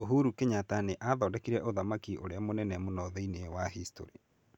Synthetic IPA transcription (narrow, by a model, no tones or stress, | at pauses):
oɦuɾukeɲataneʔaðɔːdɛkiɾɛʔoðamakiʔoɾeamonɛnɛmonɔðɛinewaɦisto̰ɾi